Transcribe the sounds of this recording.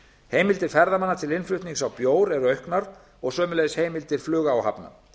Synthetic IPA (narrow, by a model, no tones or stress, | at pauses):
heːjmɪlt̪ɪɾ̥fɛɾðamanːat̪ʰɪlɪnflʏht̪niŋksawpjoːwɾɛɾœɥhknaɾ | ɔɣsœːmʏlejðsheːjmɪlt̪ɪɾ̥flʏːɣaːwha̰pna̰